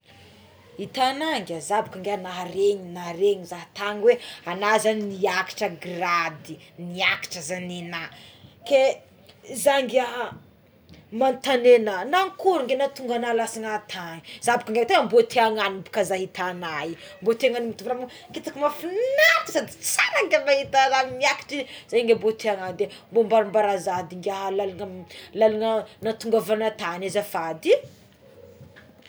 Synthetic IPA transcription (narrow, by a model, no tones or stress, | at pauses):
it̪anaŋɡʲazabakaŋɡenaɾeɲinaɾeɲizaɦt̪aŋweanazanniaki̥ʈ͡ʂəɡrad̪iniaki̥ʈ͡ʂəzaninake | zaŋɡa | mant̪anenanaŋkuɾuŋɡenat̪uŋɡanalasiŋat̪ʰaɲiz̥abikaŋɡat̪aambot̪eaŋanibu̥kazaɦit̪anaimbot̪eaŋanimit̪umbnamu | kit̪akimafunat̪i̥sad̪i̥t͡saɾaŋɡambahit̪azamiaki̥ʈ͡ʂiz̥ajŋɡembot̪ʰeaŋanid̪embombaɾumbaɾazad̪iŋɡaɦlaluŋəlaluŋənat̪uŋɡavanat̪anazafad̪i